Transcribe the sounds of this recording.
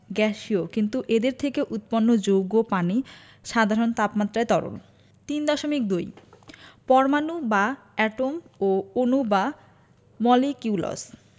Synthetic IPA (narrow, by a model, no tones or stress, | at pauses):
ɡɛʃiokint̪uʔed̪eɾt̪ʰekeʔut̪̚ponːod͡ʑowɡopani | ʃad̪ʱaɾont̪apmat̪ːɾaet̪ɔɾo̰n | t̪ind̪ɔʃomik̚d̪oj | pɔɾmanuba | ɛʈomoonuba | mɔlikiuulo̰s